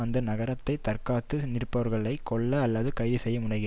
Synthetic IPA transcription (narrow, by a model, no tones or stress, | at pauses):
ɐnd̪ɐnɐɣɐɾɐt̪ːɐɪt̪ɐrkaːt̪ːɯnɪrpːɐʋɐɾɣɐɭɐɪkːɔɭːɐːlːɐðɯkɐɪðɯsɛjːɐmʊɳɐɪɣɪ